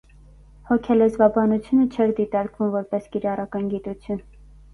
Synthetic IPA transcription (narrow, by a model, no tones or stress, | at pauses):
hɔkʲʰɛlɛzvɑbɑnut͡sʰjunət͡ʃʰɛɾd̪it̪ɑɾkvumvɔɾpɛskiɾɑrɑkɑnɡit̪ut͡sʰjun